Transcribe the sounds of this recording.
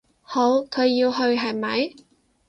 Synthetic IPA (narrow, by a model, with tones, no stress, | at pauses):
ho˨˥wkʰɵ˨˧ɥjːiː˧wɦɵ˧ɥɦɐ˨˩jmɐ˨˥j